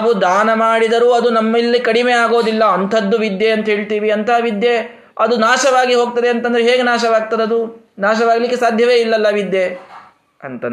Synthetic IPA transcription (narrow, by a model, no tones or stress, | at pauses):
bud̪aːnɐmaːɽid̪ɐɾuɐd̪unɐmːɐilːikɐɽimeːaːɡo̞ːd̪ilːɐɐnt̪ʰɐd̪ːuʋid̪jeɐnt̪ɐɦe̞ːɭt̪iːʋiɐnt̪ʰɐʋid̪je | ɐd̪unaːʃɐʋaːɡiɦo̞ːɡ̚t̪ɐd̪eɐnt̪ɐnd̪ɐɾeɦeːɡenaːʃɐʋaːɡ̚t̪ɐd̪eɐd̪u | naːʃɐʋaːɡlikːesaːd̪ʱjɐʋe̞ːilːɐlːɐʋid̪je | ɐnt̪ɐn